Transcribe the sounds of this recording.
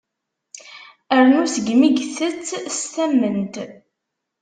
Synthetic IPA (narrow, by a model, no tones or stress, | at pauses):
əɾnusəɡmiɡθət͡sːst̪æmːənt̪